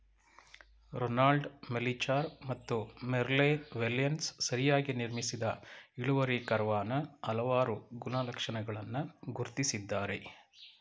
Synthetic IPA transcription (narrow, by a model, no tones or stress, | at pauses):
ɾonaːlɖmelit͡ʃaːɾmɐt̪ːumeɾlenʋeljɐnssɐɾijaːɡiniɾmisid̪ɐiɭuʋɐɾikɐɾʋaːnɐɐlɐʋaːɾuɡunɐlɐkʂɐnɐɡɐɭɐnːuɡuɾt̪isid̪ːaːɾe̞